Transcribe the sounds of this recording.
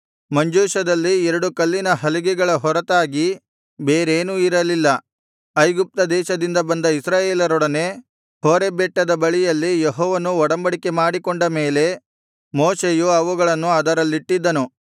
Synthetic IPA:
mɐɲd͡ʒuːʃɐd̪ɐlːiɛɾɐɽukɐlːinɐɦɐliɡɛɡɐɭɐɦɔɾɐt̪aːɡi | beːɾeːnuiɾɐlilːɐ | ɐjɡup̚t̪ɐd̪ɛːʃɐd̪ind̪ɐbɐnd̪ɐisɾaːjeːlɐɾɔɽɐne | hoːɾebɛʈːɐd̪ɐbɐɭijɐlːijeɦɔːʋɐnuɔɽɐmbɐɽikemaːɽikɔɳɖɐme̞ːle̞ | moːseːjuɐʋuɡɐɭɐnːuɐd̪ɐɾɐlːiʈːid̪ːɐnu

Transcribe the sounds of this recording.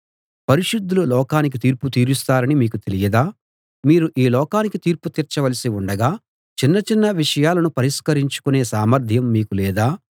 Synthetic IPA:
pɐɾiʂud̪ːululɔːkaːnik̬it̪iːɾput̪iːɾust̪aːɾɐnimiːkut̪e̞lijɐd̪aː | miːɾuʔiːlɔːkaːnikit̪iːɾput̪iːɾt͡ʃɐʋɐlɐsiuɳɖɐɡaː | t͡ʃinːɐt͡ʃinːɐʋiʂɐjaːlɐnupɐɾiskɐɾiɲt͡ʃu̥kune̞ːsaːmɐɾd̪ʱjɐmːiːkulɛːd̪aː

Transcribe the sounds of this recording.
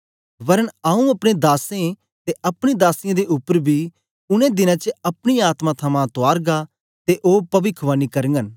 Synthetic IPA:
ʋɐɾəɳaːũɐpɽ̃ẽd̪aːsẽ | t̪eʔɐpɽ̃id̪aːsɪjãd̪eʔʊpːəɾbʱiː | ʊnẽd̪ɪnãt͡ʃəɐpɽ̃iaːt̪mãt̪ʰɐmãt̪ʊaːɾɡa | t̪eʔoːpɐʋɪkʰʋaːnikɐɾə̃ŋɡən

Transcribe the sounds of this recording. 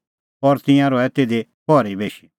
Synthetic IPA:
pɔɾt̪ɪ̃jãɾɔɛt̪eːd̪e | pɔːɾibeːʃi

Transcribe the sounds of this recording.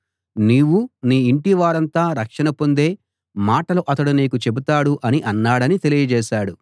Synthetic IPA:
niːʋuniːiɳʈiʋaːɾɐnt̪aːɾɐkʂɐnɐpo̞nd̪e̞ː | maːʈɐluʔɐt̪ɐɽuniːkut͡ʃe̞but̪aːɽuʔɐniʔɐnːaːɽɐnit̪e̞lijɐd͡ʒɛːʃaːɽu

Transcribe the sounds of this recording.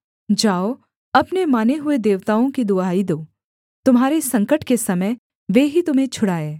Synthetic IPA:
d͡ʒaːo | ɐpnemaːneɦʊed̪eːʋt̪aːõkid̪ʊaːid̪oː | t̪ʊmɦaːɾesɐ̃ŋkəʈkesɐməj | ʋeːɦit̪ʊmɦẽt͡ʃʰʊɽaːeː

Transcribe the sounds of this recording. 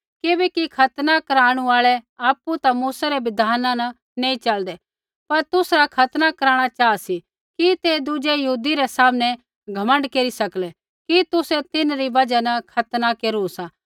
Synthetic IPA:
kebɛkikʰɐt̪nakɐɾaːɽ̃uaːɭɛaːpːut̪amuːsaɾɛbɪd̪ʱaːnãnɐ | neːĩt͡ʃɐld̪ɛ | pɐɾt̪ʊsɾakʰɐt̪nakɐɾaːɽ̃at͡ʃaːasi | kit̪ed̪ud͡ʒejɐɦuːd̪iɾɛsaːmnɛ | ɡʱɐmə̃ɳɖkeːɾisɐklɛ | kit̪ʊsɛt̪ɪnɾibɐd͡ʒanɐkʰɐt̪nakeːɾusãː

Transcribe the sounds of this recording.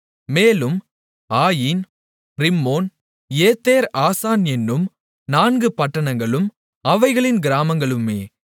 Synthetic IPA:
meːlɯm | aːjiːn | ɾɪmːoːn | eːt̪ːeːɾaːsaːnɛnːɯm | naːnɡɯpɐʈːɐɳɐŋɡɐɭɯm | ɐʋɐɪɣɐɭɪnɡɪɾaːmɐŋɡɐɭɯmeː

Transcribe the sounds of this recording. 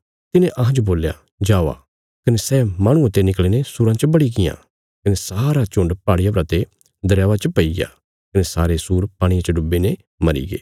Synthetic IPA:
t̪ɪnẽʔɐɦãd͡ʒoboːlja̰ | d͡ʒaːʋa̰ː | kɐnesɛːmaːɽ̃ʊ̃ɐt̪enɪklenesuːɾãt͡ʃəbɐɽiɡɪjã̰ | kɐnesaːɾat͡ʃʊ̃ɳɖpaːɽɪjapɾɐt̪e | d̪ɐɾjaːʋat͡ʃəpɐiɡja̰ː | kɐnesaːɾesuːɾpaːɽ̃iãt͡ʃɐɖʊbːene | mɐɾḭɡḛː

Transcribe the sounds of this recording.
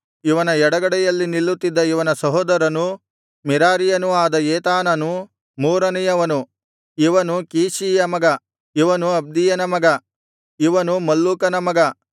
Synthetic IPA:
iʋɐnɐɛɽɐɡɐɽɛjɐlːinilːut̪ːid̪ːɐiʋɐnɐsɐɦɔːd̪ɐɾɐnu | miɾaːɾijɐnuaːd̪ɐjeːt̪aːnɐnu | muːɾɐnɛjɐʋɐnu | iʋɐnukiːʃiːjɐmɐɡɐ | iʋɐnuɐb̚d̪ijɐnɐmɐɡɐ | iʋɐnumɐlːuːkɐnɐmɐɡɐ

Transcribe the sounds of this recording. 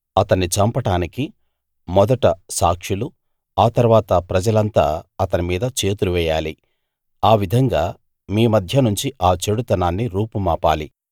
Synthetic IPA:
ɐt̪ɐnːit͡ʃɐmpɐʈaːniki | mɔd̪ɐʈɐsaːkʂilu | aːt̪ɐɾʋaːt̪ɐpɾɐd͡ʒɐlɐnt̪a̰ːɐt̪ɐnimiːd̪ɐt͡ʃe̞ːt̪uluʋɛːjaːli | aːʋid̪ʱɐŋɡaː | miːmɐd̪ʱjɐnuɲt͡ʃiʔaːt͡ʃe̞ɽut̪ɐnaːnːiɾuːpumaːpa̰ːli

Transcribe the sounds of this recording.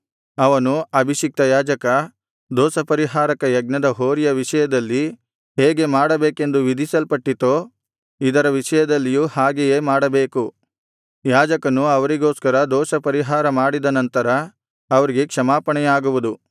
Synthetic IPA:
ɐʋɐnuɐbʱiʃik̚t̪ɐjaːd͡ʒɐkɐ | d̪ɔːsɐpɐɾiɦaːɾɐkɐjɐɡ̚nɐd̪ɐɦoːɾijɐʋiʂɐjɐd̪ɐlːi | ɦeːɡe̞maːɽɐbe̞ːke̞nd̪uʋid̪ʱisɐlpɐʈːit̪oː | id̪ɐɾɐʋiʂɐjɐd̪ɐlːijuːhaːɡejeːmaːɽɐbe̞ːku | jaːd͡ʒɐkɐnuɐʋɐɾiɡo̞ːskɐɾɐd̪ɔːsɐpɐɾiɦaːɾɐmaːɽid̪ɐnɐnt̪ɐɾɐː | ʋɐɾiɡe̞kʂɐmaːpɐɳɛjaːɡuʋud̪u

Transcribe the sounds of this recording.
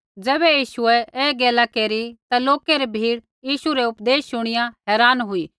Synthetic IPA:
d͡zɛːbɛjiːsʊɛɛːɡeːlakeːɾit̪aloːkeɾebʱiːɽ | jiːsuɾɛʊpd̪eːsːʊɽ̃ɪjãɦɛːɾaːnɦʊiː

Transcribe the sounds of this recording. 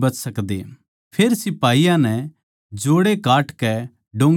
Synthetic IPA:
bɐt͡ʃsɐkd̪ḛ | pʰeːɾsɪpaːijãnɛ̃ | d͡ʒoːɽekaːʈkɛ | ɖõːŋ

